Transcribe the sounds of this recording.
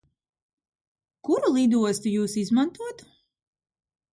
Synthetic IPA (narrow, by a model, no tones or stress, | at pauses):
kuɾulˠid̪uɔst̪ujuːsizmant̪uɔt̪